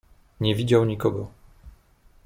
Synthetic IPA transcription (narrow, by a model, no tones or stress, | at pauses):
ɲɛvid͡ʑawɲikɔɡɔ